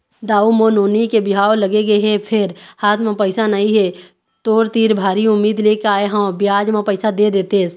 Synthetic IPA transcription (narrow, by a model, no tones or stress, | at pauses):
d̪aːumoːnoːnikebɪɦaːoləɡeɡəeɦɛpʰɪɾhaːt̪ʰmãpəɪsanəɦĩɦɛ | t̪oːɾt̪iːɾbʱaːɾiʊmːiːd̪leːkaːeɦãbɪjaːd͡ʒmãpəɪsad̪ed̪eːt̪es